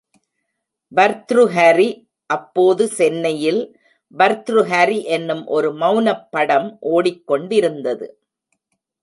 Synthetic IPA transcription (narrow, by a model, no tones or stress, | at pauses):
ʋɐɾt̪ɾɯɦɐɾi | ʔɐpːoːðɯsɛnːɐjɪl | ʋɐɾt̪ɾɯɦɐɾiʔɛnːɯmʔɔɾɯmɐʊnɐpːɐɽɐmʔoːɽɪkːɔɳɖɪɾɯnd̪ɐðɯ̰